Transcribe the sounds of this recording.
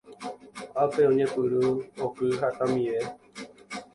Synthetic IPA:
apeõɲẽpɨɾuokɨɦat̪ãmĩʋe

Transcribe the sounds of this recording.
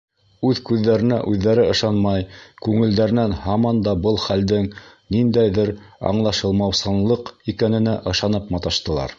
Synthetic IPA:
ʉðkʉðːæɾɘ̆næʔʉðːæɾɘɤ̆ʃɑnmɑjkʉŋɘ̆ld̪æɾɘ̆nænhɑmɑnd̪ɑbɤlˠχæld̪ɘŋnind̪æjðɘɾɑ̰ɴlˠɑʃɤ̆lˠmɑwsɑnlˠɤqikænɘ̆næʔɤ̆ʃɑnɤpmɑt̪ɑʃt̪ɤ̆lˠɑ̰ɾ

